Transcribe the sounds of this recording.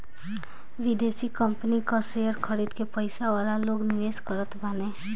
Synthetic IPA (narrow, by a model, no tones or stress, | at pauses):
ʋɪd̪eːsikəmpənikasejəɾkʰəɾiːd̪kepəɪsaʋaːlaloːɡnɪʋeːskəɾət̪banẽː